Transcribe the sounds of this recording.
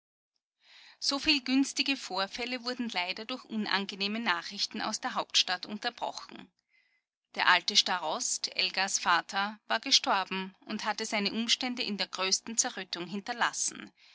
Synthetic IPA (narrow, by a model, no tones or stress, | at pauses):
z̥oːfiːlɡʏnstɪɡəfoːɐfɛləvʊɐdn̩laɪdɐdʊɐçʔʊnʔa̰nɡəneːmənaːχʁɪçtn̩a̰ʊsd̥eːɐɦaʊp̚tʃtatʊ̰̃ntɐb̥ʁɔ̰xn̩ | d̥eːɐʔaltəʃtaʁɔstʰʔɛ̰lɡasfaːtʰɐvaːɐɡəʃtɔɐbm̩ʔʊnthatəzaɪnəʔʊmʃtɛndəʔɪndeːɐɡʁøːstn̩t͡sɛɐʁœtʊŋɦɪntɐla̰sn̩